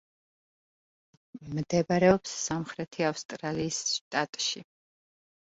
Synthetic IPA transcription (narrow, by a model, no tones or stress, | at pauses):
md̪ɛbaɾɛɔpsːamχɾɛt̪ʰiafst̪ʼɾaliːsʃt̪ʼat̪ʼʃi